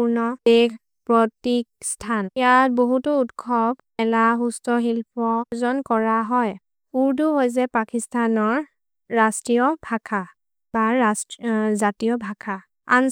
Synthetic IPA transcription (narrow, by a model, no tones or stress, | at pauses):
uɹnɔeɡ | pɹɔtik̚stʰanjat̚boɦutɔutkʰɔb | ɛlaɦustɔɦilpʰɔzɔnkɔɹaɦɔj | uɹduɦojzɛpakistʰanɔɹː | astɹijɔbʱakʰa | baɹaszatijɔbʱakʰa | a̰n